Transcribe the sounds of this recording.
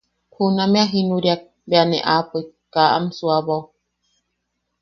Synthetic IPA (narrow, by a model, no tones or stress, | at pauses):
kʰunameaɦinuɾjak̚ | beanḛʔapəkaʔa̰msuaβow